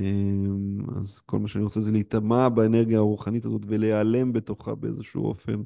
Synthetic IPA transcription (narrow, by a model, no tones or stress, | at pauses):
ema̰zko̞lmaʃeaniʁot͡sezeleitamabaene̞ʁɡijaːʁuχanit̪azo̞tveleale̞mbe̞to̞χa̰bee̞̰zeʃṵo̞̰fe̞̰n